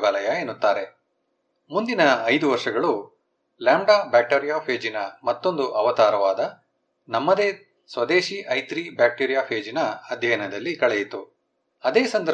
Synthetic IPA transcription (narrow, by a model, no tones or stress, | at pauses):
ʋɐːlɐjɐeːnːut̪ːaːɾe̞ | mund̪inɐɐjd̪uʋɐɾʂɐɡɐɭu | laːɳɖaːbaːk̚ʈeːɾijaːpʰeːd͡ʒinɐmɐt̪ːo̞nd̪uʔɐʋɐt̪aːɾɐʋaːd̪ɐ | nɐmːɐd̪eː | sʋɐd̪e̞ːʃiʔɐjt̪ɾibaːk̚ʈiːɾijaːpʰeːd͡ʒinɐɐd̪ʱjɐjɐnɐd̪ɐlːikɐɭɛjit̪u | ɐd̪eːsɐnd̪ɐɾ